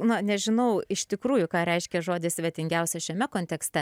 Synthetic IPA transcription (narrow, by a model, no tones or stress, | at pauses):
nʊnʲɛʒʲɪnɐʊɪʃʲt̪ʲɪkɾuːjʊkɑːɾʲɛɪʃʲkʲɛʒoːd̪ʲɪsʲʋʲɛt̪ʲɪŋʲɡʲɛʊsʲɛʃʲɛmʲɛkoːnʲt̪ʲɛkst̪ʲɛ